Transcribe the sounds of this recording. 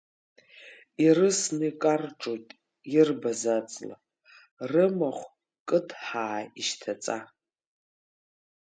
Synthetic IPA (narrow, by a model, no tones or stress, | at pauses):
irɨsnɨikʼarʈ͡ʂʼojtʼ | irbazat͡sʼla̰ | rɨmaχʷ | kʼɨtʰħaːiʃtʰat͡sʼa